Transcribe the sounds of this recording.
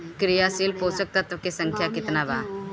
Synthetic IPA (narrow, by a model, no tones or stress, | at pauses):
kɾɪjaːsilpoːsək̚t̪ɐt̪ʋəkesə̃ŋkʰjakɪt̪naːba̰ː